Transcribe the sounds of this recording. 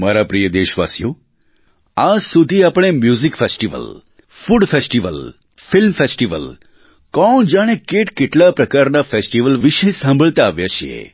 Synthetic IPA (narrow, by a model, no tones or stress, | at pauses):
maɾapɾijəd̪eʃʋa̰sjo | ad͡ʒsud̪ʱiapɽ̃emjuzikfesʈiʋə̰l | fuɽfesʈiʋəl | filmfesʈiʋə̰l | kɔɳ̃d͡ʒaɽ̃ekeʈkeʈlapɾəkaɾnafesʈiʋəlʋiʃesãmbʱəɭt̪aːʋjat͡ʃʰḛ